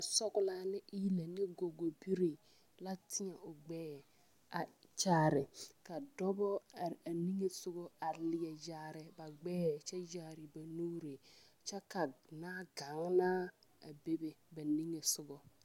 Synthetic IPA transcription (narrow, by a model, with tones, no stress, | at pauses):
sɔ˦ɡʊ˦la˦nɪ˦ʔi˦le˨ni˦ɡo˨ɡo˨bi˦ɾi˨ | la˦tʰi˦ɲa˨o˨ɡ͡bɛː˦˨ | a˨t͡ʃa˦ɾɪ˨ka˨dɔ˦bɔ˦˨a˨ni˦ŋe˨sʊ˦ɡɔ˦a˨lɪ˨jɛ˨d͡ʒa˨˦ɾɪ˨ba˨ɡ͡bɛː˦˨t͡ʃa˦d͡ʒa˦ɾi˨ba˨nu˦ɾe˨ | t͡ʃa˦ka˨na˦ɡa˨˦ŋna˦a̰˨be˦be˦ba˨ni˦ŋe˨sʊ˦ɡɔ˨